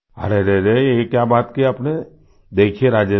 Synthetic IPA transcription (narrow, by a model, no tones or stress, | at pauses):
ɐ̰ɾeɾeɾejekjaːbaːt̪kiaːpne | d̪eːkʰieɾaːd͡ʒə